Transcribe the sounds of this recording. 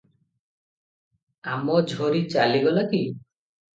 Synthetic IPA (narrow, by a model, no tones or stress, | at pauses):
amɔd͡ʒʱɔɾit͡ʃaliɡɔlaki